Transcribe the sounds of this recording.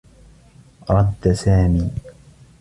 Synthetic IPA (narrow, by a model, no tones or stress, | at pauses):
ɾˤɑd̪ːasaːmiː